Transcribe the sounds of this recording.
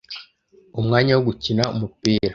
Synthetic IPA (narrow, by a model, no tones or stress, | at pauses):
umŋaːɲawoɡucinaumupiːɾa